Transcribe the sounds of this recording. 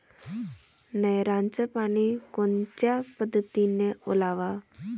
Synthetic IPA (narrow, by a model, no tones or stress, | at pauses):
nəjɾãnt͡ɕəpaɽ̃ikont͡ɕjapəd̪ʱːət̪ineolaʋa